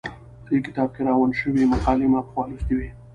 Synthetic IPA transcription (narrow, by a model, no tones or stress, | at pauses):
d̪ekɪ̥t̪ɑb̚keɾɑwanʃəwimaqɑːlimapxwɑlusd̪iwe